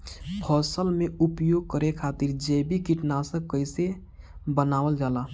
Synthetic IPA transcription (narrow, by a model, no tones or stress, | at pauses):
pʰɔːsəlmẽupjoːɡ̚kəɾekʰaːt̪iɾd͡ʒebikiʈnasə̃kːəɪse | bənaːʋəld͡ʒaːlaː